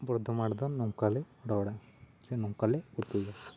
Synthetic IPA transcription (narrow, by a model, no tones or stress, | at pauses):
bɾɔd̪ʱɔmaɽd̪ɔnːɔŋkalɛ | ɖɔwɽa | sɛnɔŋkaleut̪uja